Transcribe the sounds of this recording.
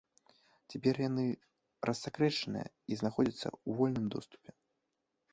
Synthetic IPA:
t͡sʲapʲɛrjanɨ | rʔɐsːakɾɛʂɐnɨ̰jɐ̰ | iznaxɔd͡zʲɐt̪sːɐ̰wvɔlʲnɨmd̪ɔst̪u̥pʲɛ

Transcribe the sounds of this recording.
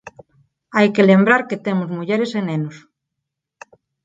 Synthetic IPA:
ajkelembɾaɾket̪emozmuʎeɾesenẽnos

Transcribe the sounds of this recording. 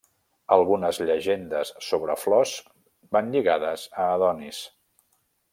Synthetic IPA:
əlˠɣunəzʎəʒend̪əsːoβɾəflɔz | banʎiɣaðəzəːðɔnis

